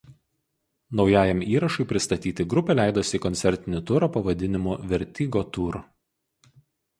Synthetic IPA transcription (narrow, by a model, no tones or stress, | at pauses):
nɒʊjæːjɛmiːɾɐʃɐɪpʲɾʲɪst̪ɐt̪ʲiːt̪ʲɪɡɾʊpʲɛːlʲæˑɪd̪oːsʲiːkɔnt̪sʲɛɾʲt̪ʲɪnʲɪt̪ʊɾɐpɐʋɐd̪ʲɪnʲɪmuʋʲɛɾʲt̪ʲiːɡoːt̪uːɾ